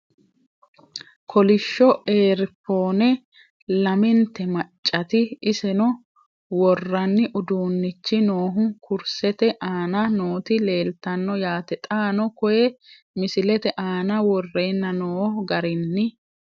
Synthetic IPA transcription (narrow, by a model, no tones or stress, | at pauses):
kʰɔlɪʃːɔʔeːɾɪpːo̞ːnɛ | lɐmɪnt̪ːɛmɐt͡ʃʼːɐt̪ɪɪsɛnɔ | wɔrːɐnːɪʔʊd̪uːnːɪt͡ʃːɪnoːɦʊkʊɾsɛt̪ɛʔaːnɐnoːt̪ɪle̞ːlt̪ɐnːɔjaːt̪ɛt̪ʼaːnɔkɔjɛ | mɪsɪlɛt̪ɛʔaːnɐwɔrːeːnːɐnoːhɡɐɾɪnːɪ